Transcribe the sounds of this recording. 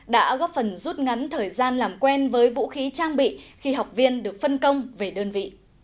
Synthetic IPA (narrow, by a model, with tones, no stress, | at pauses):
ɗa̰ː˧˥ɣɔ˦˥p̚fə˨˩nzu˦˥t̚ŋa˨˦nt̪ʰəː˨˩jzaː˧nlaː˨˩mkwɛ˧nvəː˨˦jvṵ˧˥xi˨˦t͡ɕaː˧ŋɓḭ˧˨xi˧ɦa˨˩wk͡p̚vi˧ənɗɨ˨˩ək̚fə˧nkə˧wŋ͡mve˨˩ɗəː˧nvḭ˧˨